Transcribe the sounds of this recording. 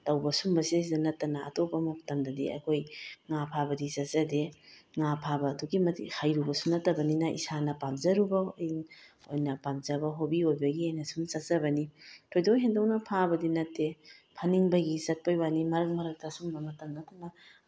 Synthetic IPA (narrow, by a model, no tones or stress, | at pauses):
tɐwbɐsumbɐsis̬idɐnɐtːɐnɐɐ̰topːɐmɐtɐmdɐdḭɐ̰kʰojŋapʰabɐdizɐt̚zɐdeŋapʰabɐːduɡimɐtihajɾubɐsunɐtːɐbɐninɐʔḭsanɐpamzɐɾubɐ | o̰jnɐpamzɐbɐɦobiojbɐɡihajnɐsumsɐt̚zɐbɐnitʰojdoɦendownɐpʰabɐdinɐtːepʰɐniŋbɐɡizɐt̚pɐjbanimɐɾɐk̚mɐɾɐk̚tɐsumbɐmɐtɐmnɐtːɐnɐ